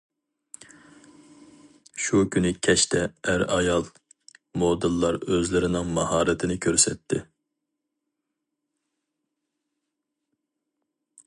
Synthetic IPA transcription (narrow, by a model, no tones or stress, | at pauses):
ʃukʲʰynɨkʲʰɛʃt̪ʰɛæɾɑjɑlˠ | mod̪ɨlˠːɑɾøzlɪɾɪnɪŋmɑhɑːɾɨt̪ʰɪnɪkʲʰøɾsɛt̪ʰːɪ